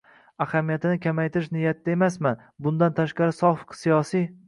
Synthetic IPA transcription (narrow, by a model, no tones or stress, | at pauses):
ahamijat̪ʰɪnɪkʲʰamajt̪ʰɪɾɪʃnɪjːat̪ʰɪd̪ae̞masman | bʊnd̪ant̪ʰaʃqɑɾɪsɒfqsijɒsi